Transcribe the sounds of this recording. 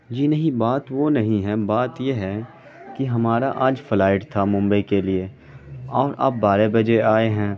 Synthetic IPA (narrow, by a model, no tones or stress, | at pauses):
d͡ʒiːnɐɦĩbaːt̪ʋonɐɦĩɦɛ̃baːt̪jeɦɛ̃ː | kiɦɐmaːɾaʔaːd͡ʒfɪlaːɪʈt̪ʰamʊ̃mbəikelie | ɔːɾʔɐ̰bːaːɾebɐd͡ʒeaːeɦɛ̃ː